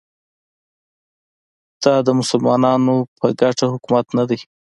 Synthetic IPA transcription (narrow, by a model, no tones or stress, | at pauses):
d̪̥ɑd̪əmʊsʊlmɑnɑnopʰəɡaʈahʊkumat̪nad̪aj